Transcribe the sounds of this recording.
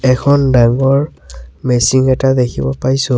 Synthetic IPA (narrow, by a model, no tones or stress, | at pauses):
ɛkʰɔndaŋɡɔɹmesiŋɛtad̪ekʰibɔpajso